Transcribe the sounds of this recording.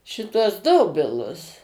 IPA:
ʃʲɪˈtuɔs ˈdoːbʲɪlˠʊs

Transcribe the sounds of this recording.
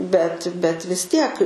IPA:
bʲɛt bʲɛt ʋʲɪs ˈtʲiɛk

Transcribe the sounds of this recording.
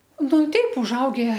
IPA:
ˈnʊ ˈtʲɛɪp ʊʒˈɐʊɡʲɛ

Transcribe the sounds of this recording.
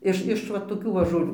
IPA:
ˈɪʃ ɪʃ ˈʋɐ toːˈkʲuː ʋɐ ʒoːˈlʲuː

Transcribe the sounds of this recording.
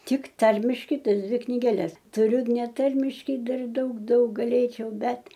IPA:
ˈtʲɪk ˈtɐrʲmʲɪʃkɐɪ ˈtɐs ˈdʲʋʲɪ knʲɪɡʲɛˈlʲɛs tʊˈrʲʊ nʲɛˈtɐrʲmʲɪʃkɐɪ ˈdɐr ˈdɐʊk ˈdɐʊk ɡɐˈlʲeːt͡ʃʲɛʊ ˈbʲɛt

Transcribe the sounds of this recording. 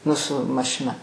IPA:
ˈnʊ sʊ mɐʃʲɪˈnɐ

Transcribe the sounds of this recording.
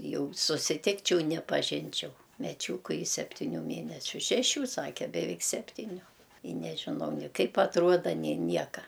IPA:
ˈjɛʊ sʊsʲɪˈtʲɪkt͡ʃʲɛʊ nʲɛpɐˈʒʲɪnʲt͡ʃʲɛʊ mʲɛˈt͡ʃʲuːkʊ ɪ sʲɛpʲtʲɪˈnʲuː ˈmʲeːnʲɛsʲʊ ʃʲɛˈʃʲuː ˈsɑːkʲɛ bʲɛˈʋʲɛɪk ˈsʲæːpʲtʲiːnʲʊ ɪ nʲɛʒʲɪˈnɐʊ nʲɪ ˈkɐɪp ɐtˈruɔdɐ nʲeː ˈnʲiɛkɐ

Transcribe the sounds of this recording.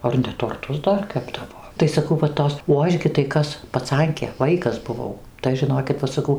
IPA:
ˈɐr nʲɛ toːrˈtʊs ˈdɐr ˈkʲæːbdɐʋoː tɐɪ sɐˈkɐʊ ʋɐ ˈtoːs oː ˈɐʃ ɡʲɪ tɐɪ ˈkɐs pɐˈt͡sɐŋʲkʲeː ˈʋɐɪkɐs bʊˈʋɐʊ tɐɪ ˈɐʃ ʒʲɪˈnoːkʲɪt ˈʋɐ sɐˈkɐʊ

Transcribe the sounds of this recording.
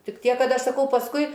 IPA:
ˈtʲɪk ˈtʲiɛk ˈkɐt ˈɐʃ sɐˈkɐʊ pɐsˈkʊɪ

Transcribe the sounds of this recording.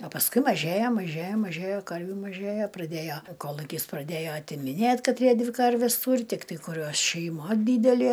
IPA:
ɐ pɐsˈkʊɪ mɐˈʒʲeːjɛ mɐˈʒʲeːjɛ mɐˈʒʲeːjɛ ˈkɐrʲʋʲuː mɐˈʒʲeːjɛ prɐˈdʲeːjoː ˈkoːlˠʊkʲɪs prɐˈdʲeːjoː ɐtʲɪmʲɪˈnʲeːtʲ kɐˈtʲrʲiɛ ˈdʲʋʲɪ ˈkɐrʲʋʲɛs ˈtuːrʲɪ ˈtʲɪktɐɪ kʊˈrʲuɔs ʃʲɛɪˈmɐ ˈdʲiːdʲɛlʲeː

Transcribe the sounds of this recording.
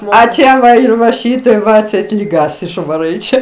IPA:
ɐ ˈt͡ʃʲɛ ˈʋɐ ɪr ʋɐ ˈʃʲiːtɐɪp ʋɐ ɐtʲˈsʲɛɪt lʲiːˈɡɐs ɪʃʋɐˈrɐɪ ˈt͡ʃʲɛ

